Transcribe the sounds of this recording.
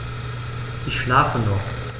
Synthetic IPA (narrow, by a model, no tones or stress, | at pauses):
ʔɪçʃlaːfənɔχ